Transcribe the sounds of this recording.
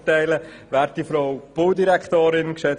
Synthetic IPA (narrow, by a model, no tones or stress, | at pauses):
tɛɪləʋæːɾt̚difɾɔʊb̥owdiɾɛkχt̪oːɾɪnkʃɛt͡s